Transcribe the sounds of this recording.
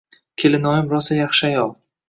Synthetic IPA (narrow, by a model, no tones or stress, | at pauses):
kʲʰelɪnɒjɪmɾɒsajɑχʃɪajɒlˠ